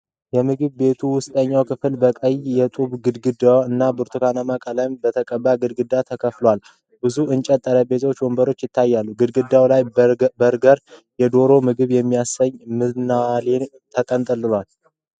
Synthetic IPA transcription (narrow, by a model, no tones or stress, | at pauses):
jɛmɨɡɨβbe̞t̪ʰuwʊst̪ʼəɲːawkʰɨfɨlbəkʼəjjɛt̪ʼuβɡɨd̪ɡɨd̪awɨnːabɨɾt̪ʰɨkanəmakʼələjmbət̪ʰəkʼəbːaɡɨd̪̚ɡɨd̪ːat̪ʰəkʰəflowal | bɨzuɨnt͡ʃʼɛt̪ʼːəɾəbe̞t̪ʰo̞t͡ʃːwɔmbəɾo̞t͡ʃːjɪt̪ːajːalːuɡɨd̪ɡɨd̪ːawlajɾɡəɾ | jɛd̪o̞ɾo̞mɨɡɨβjɛmːijasəɲːmɨnalen | t̪ʰəkʼənt̪ʼɨlɨlwal